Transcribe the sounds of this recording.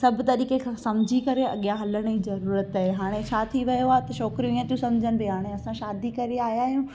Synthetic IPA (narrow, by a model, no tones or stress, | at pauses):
sɐbʱt̪ɐɾiːkekʰãːsɐmd͡ʑʱikɐɾeɐ̰ɠijaɦɐləɽ̃d͡ʑizɐɾuːɾət̪aɦeɦaːɽ̃et͡ɕʰaːt̪ʰiʋɐjoaːɦet̪ɐʃɔːkɾijũĩə̃t̪ijũsɐ̃md͡ʑʱəñɪ̆beɦaːɽ̃eɐsãʃaːd̪ikɐɾiaːɦjaːɦijũ